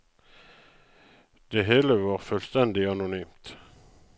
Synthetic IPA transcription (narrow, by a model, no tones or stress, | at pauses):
d̪̥eɦeːləʋɑːʁføːlst̪ɛnd̪ɪɑnʊnyːmt̪